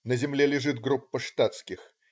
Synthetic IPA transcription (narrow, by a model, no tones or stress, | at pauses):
nəzʲɪmlʲelʲɪʐɨt̪ɡɾupːəʂt̪at̪skʲɪx